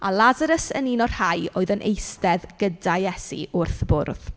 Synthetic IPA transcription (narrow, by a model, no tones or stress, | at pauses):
a̰lˠazaɾəsəninɔrhajoːɨðənʔejstɛðɡ̥ədajɛsḭʔʊrθbʊrð̥